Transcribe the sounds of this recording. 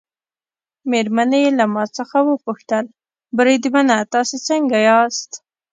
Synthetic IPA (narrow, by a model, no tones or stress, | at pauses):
meɾmanejelamɑt͡səxawəpuxt̪əl | bɾed̪manat̪ɑset͡səŋɡajɑst̪